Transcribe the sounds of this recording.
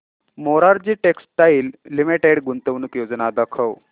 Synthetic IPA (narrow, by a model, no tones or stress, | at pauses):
moɾaɾd͡ʑiːʈekst̪aiːlːimiʈeɽɡunt̪əʋnukjod͡znad̪akʰəʋ